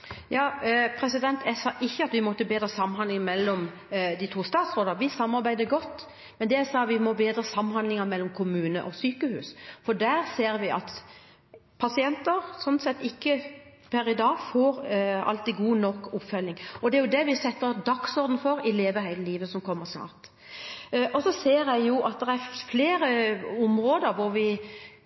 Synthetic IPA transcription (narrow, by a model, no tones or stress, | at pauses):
jɑːpʰɾɛsɪd̪ɛnt̪ʰɛsɑːʔɪçːəɑt̪ʋɪmɔt̪ːəbeːd̪ɾəsɑmːnɦɑnd̪lɪŋmɛlːɔm | d̪ɪt̪ʰuːst̪ɑːt̪sɾoːd̪ɑʋɪsɑmːɑɾbæɪd̪əɡɔt̪ː | mɛnd̪ɛæsɑːʋɪmɔbeːd̪ɾəsɑmːnhɑnd̪lɪŋɑmɛlːɔmkʰʊmʉːnə̰ʔɔsyːkəhʉ̰ːsfɔɖ̪æɾseːɾʋɪʔɑt̪ | pʰɑsɪɛnt̪əɾsɔnsɛt̪ːɪkːə | pʰæɾɪd̪ɑːɡfoːɾɑ̰lt̪iːɡuːnɔkːʊpfœlɪŋɔd̪ɛæɾjʊd̪ɛʋɪsɛt̪ːəɾd̪ɑksɔɾd̪n̩fɔɾɪleːʋəhæɪləliːʋəsɔmkʰɔmːəsnɑ̰ːɾt̪ | ʔɔsɔseːɾjæɪjʊʔɑt̪̚d̪ɛɾæɾfleːɾəʊmɾoːd̪əɾʋʊɾʋɪ